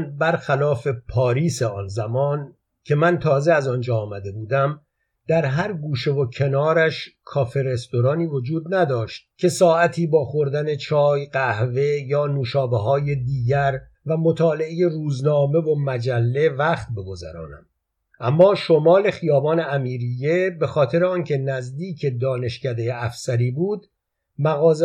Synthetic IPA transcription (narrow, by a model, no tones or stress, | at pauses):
nbæɾxælɒːfe̞pʰɒːɾiːseɒːnzæmɒːn | cʰe̞mænt̪ʰɒːze̞æzɒːnd͡ʒɒːmæd̪e̞buːd̪æm | d̪æɾɦæɾɡuːʃe̞vo̞cʰe̞nɒːɾæʃkʰɒːfe̞ɾe̞st̪o̞ɾɒːniːvo̞d͡ʒuːd̪̚næd̪ɒːʃt̪̚cʰe̞sɒːæt̪ʰiːbɒːxo̞ɾd̪æne̞t͡ʃʰɒːjɢæhve̞jɒːnuːʃɒːbeɦɒːje̞d̪iːɟæɾ | væmo̞t̪ʰɒːle̞eje̞ruːznɒːme̞vo̞mæd͡ʒælːe̞væxt̪̚be̞ɡo̞zæ̰ɾɒ̰ːnæ̰m | ʔæmːɒːʃo̞mɒːle̞xijɒːbɒːne̞æmiːɾije̞be̞xɒːt̪ʰe̞ɾeɒːncʰe̞næzd̪iːcʰe̞d̪ɒːne̞ʃcæd̪e̞jeæfsæɾiːbuːd̪ | mæɣɒːz